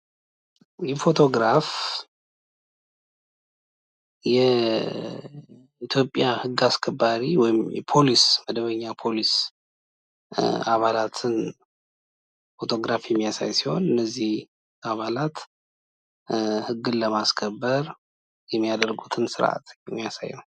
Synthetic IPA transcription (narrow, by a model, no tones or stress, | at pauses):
jɛfo̞t̪ʰo̞ɡɾaf | jɛ | it̪ʰjo̞pʼːjahɨɡːaskʰəbːaɾiwɔjɪmjɛ̰pʰo̞lisməd̪əβəɲːapʰo̞lis | aβalat̪ʰɨn | fo̞t̪ʰo̞ɡɾafjɛmːijasa̰jsiho̞̰nɨnːəzːih | ʔaβalat̪ | hɨɡːɨnləmaskʰəbːəɾ | jɛmːijad̪ərɡut̪ʰɨnsɨɾʔa̰t̪ɛmːijasa̰jnəw